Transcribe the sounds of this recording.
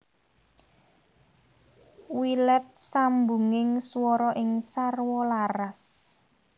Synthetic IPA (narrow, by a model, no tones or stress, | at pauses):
wilɛt̪̚sambuŋɪŋsuwɔɾɔʔɪŋsarwɔlaras